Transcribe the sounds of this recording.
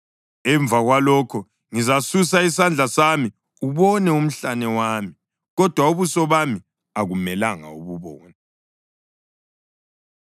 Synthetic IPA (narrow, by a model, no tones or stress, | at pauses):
ɛɱb̪vaɣwalɔkʰɔ | ŋizasusaisand͡ɮʱasami | uβɔnɛum̩ɬanɛwami | ɣɔd̥ʱwauβusɔβami | aɣumɛlaŋa̰uβuβɔːnɛ